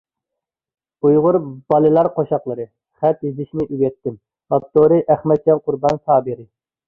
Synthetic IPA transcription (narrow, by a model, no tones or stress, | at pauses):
ujʁʊɾb̥ɑlˠɨlˠɑɾqʰoʃɑqlˠəɾɨ | χæt̪jizɪʃnɪʔyɡʲɛt̪ʰːɪm | pɑp̚t̪oɾɨʔæχmɛt̪̚d͡ʒɑnqʰʊɾbɑnsɑːbɨɾɪ